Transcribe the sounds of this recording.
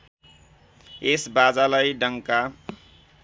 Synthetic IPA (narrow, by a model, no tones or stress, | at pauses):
esbad͡zaləjɖʌŋka